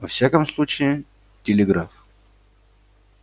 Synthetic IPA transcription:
vɐfsʲakəmslˠut͡ɕɪɪ | tʲɪlʲɪɡɾaf

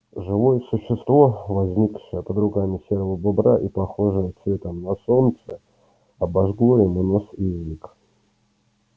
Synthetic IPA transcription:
ʐɨvojəsʊɕːɪst̪vovɐzʲnʲikʂɨjəpəd̪ɾʊkamʲɪsʲeɾəvəbɨbɾaʔipɐxoʐɨjəsvʲet̪əmnɐsont̪sə | ɐbɐʐɡlˠoɪmɨnosizʲik

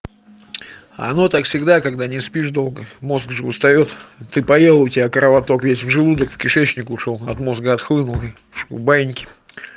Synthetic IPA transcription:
ɐ̰no̞t̪akfsʲɪɡd̪akɐɡd̪anʲɪspʲiʐd̪o̞lˠɡəmo̞zɡʐɨʊst̪ɐjo̞t̪t̪ːɨpɐjelˠəʊtʲɪbʲakɾəvɐt̪o̞kvʲesʲvʐɨlˠud̪əkfkʲɪʂɛt͡ɕnʲɪkʊʂolˠɐt̪mo̞zɡəɐt̪xlˠɨnʊlˠɪ | bajɪnʲkʲɪ̥

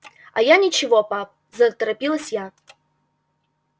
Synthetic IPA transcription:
ɐ̰janʲɪt͡ɕɪvopap̚ | zɐt̪əɾɐpʲilˠəsʲja

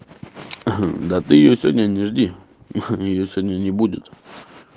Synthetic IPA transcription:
d̪at̪ɨjɪjosʲvʲodʲnʲənʲɪʐdʲi | ɪjosʲvodʲnʲənʲɪbudʲɪt̪

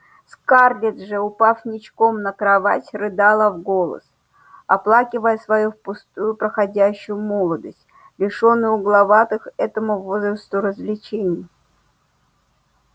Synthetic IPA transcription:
skarlʲɪt̪ʐɨʊpafnʲɪt͡ɕko̞mnəkɾavatʲrɨd̪alˠəvɡo̞lˠə̰s | ɐplˠakʲɪvəjəsvɐjufpʊst̪ujʊpɾəxadʲæɕːʊjʊmo̞lˠəd̪əsʲtʲ | lʲɪʂonːɨjʊɡlˠɐvat̪ɨxɛt̪əmʊvozɾəst̪ʊɾəzvlʲɪt͡ɕenʲɪjə

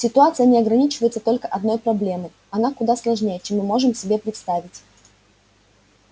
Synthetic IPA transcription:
sʲɪt̪ʊat̪sɨjənʲɪɐɡɾɐnʲit͡ɕɪvəjɪt̪sət̪o̞lʲkəʔɐd̪̚no̞jpɾɐblʲe̞mɨ | ɐnakʊd̪aslˠɐʐnʲejət͡ɕemːɨmːo̞ʐɨmsʲɪbʲe̞pɾʲɪt̪st̪avʲɪtʲ

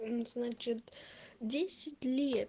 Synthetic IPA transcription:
znat͡ɕɪt̪dʲesʲɪtʲlʲet̪

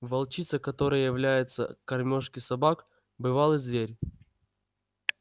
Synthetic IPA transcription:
vɐlˠt͡ɕit̪səkɐt̪o̞ɾɨjəjɪvlʲæjɪt̪sə̰kɐrmʲoʂkʲɪsɐbak | bɨvalˠɨzvʲeɾʲ

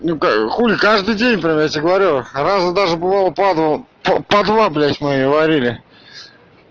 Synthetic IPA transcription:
nukaxulʲɪkaʐd̪ɨjdʲenʲpɾʲamjatʲɪɡəvɐɾʲurazəd̪aʐɨbɨvalˠəpad̪vəppɐd̪vablʲæsʲmɨɡəvɐɾʲilʲɪ

